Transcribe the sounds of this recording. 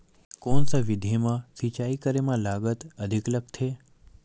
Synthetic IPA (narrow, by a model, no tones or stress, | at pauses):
konsəʋid̪ʱimãsit͡ʃaikəɾemãlaɡət̪əd̪ʱiklək̚t̪ʰe